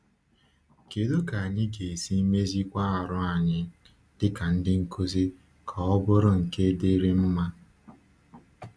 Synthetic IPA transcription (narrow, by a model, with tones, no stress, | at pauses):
ke˨lo˦ka˨a˨ɲɪ˦ɡe˨si˦me˦zi˦kʷa˦a˨ɾʊ˦a˨ɲɪ˦ | d̥ɪ˦ka˨n̩˦dɪ˦ŋ̩˦ko˦zi˦ | kʰa˨ɔ˦bʊ˦ɾʊ˦ŋ̩˨ke˦de˦ɾe˦m̩˦ma˦